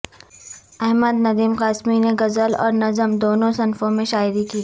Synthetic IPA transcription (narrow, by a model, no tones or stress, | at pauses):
ɛɦməd̪nɐd̪iːmqaːsmineɡɐzəlɔ̰ːɾnɐzəmd̪oːnõsɐnfõmẽʃaːɪɾikiː